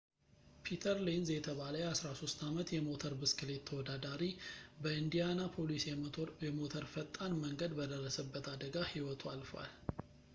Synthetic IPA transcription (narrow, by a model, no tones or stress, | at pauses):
pʰit̪ʰəɾlenzjɛt̪ʰəβaləjasɾaso̞st̪amət̪jɛmo̞t̪ʰəɾbɨskɨle̞t̪ʰːəwɔd̪ad̪aɾibəɨnd̪ijanapʰo̞lisɛɛmot̪ʰəɾfət̪ʼːanməŋɡəd̪bəd̪ərːəsəbːət̪ad̪əɡahiwɔt̪ʰalfəwa̰l